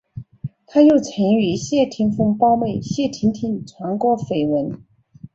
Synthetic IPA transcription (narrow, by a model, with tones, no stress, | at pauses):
t̪ʰa˥jo˥˩ʊt͡sʰə˧˥ŋy˧˥ɕjɛ˥˩t̪ʰi˧˥ŋfɤ˥ŋpɑ˥ʊme˥˩ɪɕjɛ˥˩t̪ʰi˧˥nt̪ʰi˧˥nt͡sʰwa˧˥nkwɔ˧˥fe˨˩ɪwə˧˥n